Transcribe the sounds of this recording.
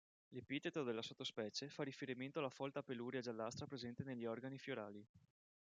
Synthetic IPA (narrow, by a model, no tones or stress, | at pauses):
lepit̪et̪od̪elːasot̪ːospɛːt͡ʃefarifeɾiment̪oalːafɔlt̪apeluɾjad͡ʒalːast̪ɾapɾezɛnt̪eneʎːiɔrɡanifjoɾa̰ːli